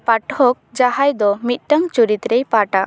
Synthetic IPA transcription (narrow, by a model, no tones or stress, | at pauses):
paʈhɔk̚d͡ʒaɦajd̪ɔmit̪̚ˀʈəŋt͡ʃuɾit̪ɾejpaʈa